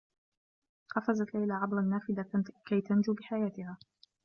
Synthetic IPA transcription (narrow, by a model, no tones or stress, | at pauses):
qɑfazat̪lajlaʕɑbɾˤɑnːaːfɪd̪akajt̪and͡ʒuːbɪħajaːt̪ɪhaː